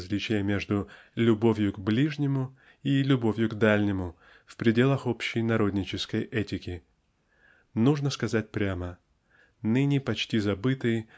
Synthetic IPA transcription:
zlʲit͡ɕɪjəmʲe̞ʐd̪ʊ | lʲʊbo̞vʲjʊɡblʲiʐnʲɪmʊ | ilʲʊbo̞vʲjʊɡd̪alʲnʲɪmʊ | fpɾʲɪdʲe̞lˠəxopɕːɪjnɐɾo̞d̪ʲnʲɪt͡ɕɪskəjɛtʲɪkʲɪ | nuʐnəskɐzat̚ʲpɾʲamə | nɨnʲɪpɐt͡ɕtʲizɐbɨt̪ɨj

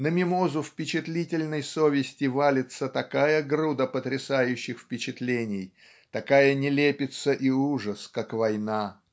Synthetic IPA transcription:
nəmʲɪmo̞zʊfpʲɪt͡ɕɪt̪lʲitʲɪlʲnəjsovʲɪsʲtʲɪvalʲɪt̪sət̪ɐkajəɡɾud̪əpət̪ɾʲɪsajʉɕːɪxfpʲɪt͡ɕɪt̪lʲenʲɪj | t̪ɐkajənʲɪlʲepʲɪt̪səʔiuʐəskakvɐjna

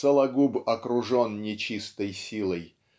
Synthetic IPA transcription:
səlˠɐɡubɐkɾʊʐonnʲɪt͡ɕist̪əjsʲilˠəj

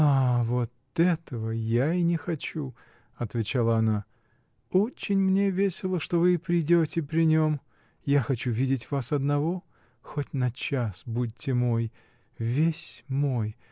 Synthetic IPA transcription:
avo̞t̪ɛt̪əvəjainʲɪxɐt͡ɕu | ɐt̪vʲɪt͡ɕalˠəɐna | ot͡ɕːɪnʲmnʲe̞vʲesʲɪlˠəʂt̪o̞vɨːpɾʲɪjdʲotʲɪpɾʲɪnʲom | jaxɐt͡ɕuvʲidʲɪtʲvasɐd̪nɐvo̞ | xotʲnɐt͡ɕasbud̚ʲtʲːɪmo̞j | vʲesʲmo̞j

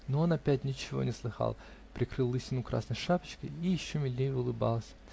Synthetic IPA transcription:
noonɐpʲætʲnʲɪt͡ɕɪvo̞̰nʲɪslˠɨxɑ̰lˠ | pɾʲɪkɾɨlˠːɨsʲɪnʊkɾa̰snəjʂapə̥t͡ɕkə̰jijɪɕːomʲɪd̪ʲnʲejʊlˠɨbɑ̰lˠsʲ

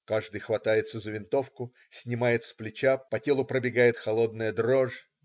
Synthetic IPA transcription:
kaʐd̪ɨjxvɐt̪ajɪt̪səzəvʲɪnt̪o̞fkʊ | sʲnʲɪmajɪt̪splʲɪt͡ɕapɐtʲelˠʊpɾəbʲɪɡajɪt̪xɐlˠo̞d̪̚nəjəd̪ɾoʐ

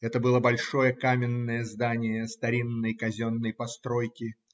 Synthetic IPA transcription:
ɛt̪əbɨlˠəbɐlʲʂo̞jəkamʲɪnːəjəzd̪anʲɪjəst̪ɐɾʲinːəjkɐzʲo̞nːəjpɐst̪ɾo̞jkʲɪ

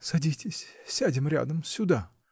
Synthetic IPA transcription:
sɐd̪ʲit̪ʲʰesʲsʲad̪ʲimɾʲa̰d̪əmsʲud̪a

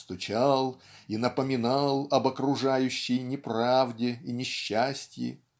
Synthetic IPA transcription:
st̪ʊt͡ɕalˠinəpəmʲɪnɑlˠɐbəkɾʊʐajʉɕːɪjnʲɪpɾavdʲɪinʲɪɕːasʲtʲjɪ̰

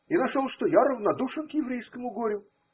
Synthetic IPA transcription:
inɐʂolˠʂt̪ojaɾəvnɐd̪uʂɨnkjɪvɾʲejskəmʊɡoɾʲʊ

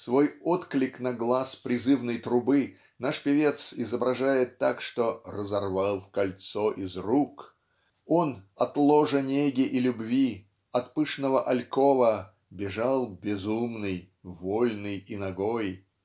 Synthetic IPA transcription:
svojot̪klʲɪknɐɡlˠaspɾʲɪzɨvnəjt̪ɾʊbɨ | naʂpʲɪvʲe̞t̪sɪzəbɾɐʐajɪt̪ːakʂt̪orəzɐrvalˠfkɐlʲt̪soʔɪzruk | onɐt̪lˠoʐənʲeɡʲɪʔilʲʊbvʲi | ɐt̪pɨʂnəvəʔɐlʲkovə | bʲɪʐalˠbʲɪzumnɨj | volʲnɨjinɐɡoj

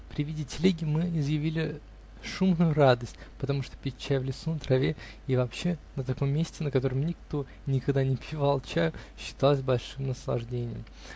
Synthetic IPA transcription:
pɾʲɪvʲidʲɪtʲɪlʲeɡʲɪmɨɪzjɪvʲilʲɪ | ʂumnʊjʊrad̪əsʲtʲpət̪ɐmuʂt̪opʲɪt͡ɕːæjvlʲɪsunət̪ɾɐvʲe | ivɐpɕːe̞nət̪ɐko̞mʲːesʲtʲɪnəkɐt̪o̞ɾəmnʲɪkt̪o̞ | nʲɪkɐɡd̪anʲɪpʲʰɪvalˠt͡ɕæjʊɕːɪ̥t̪alˠəs̬ʲbɐlʲʂɨmnəslˠɐ̰ʐdʲenʲɪjəm

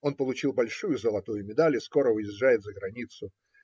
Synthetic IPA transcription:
o̞npəlˠʊt͡ɕilˠbɐlʲʂujʊzəlˠɐt̪ujʊmʲɪd̪alʲɪsko̞ɾəvɨjɪʐːajɪt̪zəɡɾɐnʲit̪sʊ

